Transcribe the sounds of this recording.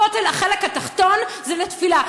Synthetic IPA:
ot̪elaχelekhat̪aχt̪o̞nzɛlet̪fila

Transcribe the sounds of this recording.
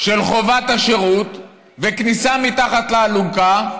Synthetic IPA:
ʃelχo̞vat̪aʃeʁut̪ | veknisamit̪aχat̪leːluɡa

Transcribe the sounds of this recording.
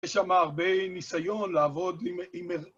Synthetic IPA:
eʃamaːʁbenisajo̞nlaːvo̞d̪ime

